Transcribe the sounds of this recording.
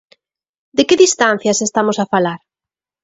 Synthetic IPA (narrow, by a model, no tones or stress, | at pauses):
d̪ekɪðist̪an̟θjasest̪amosafalaɾ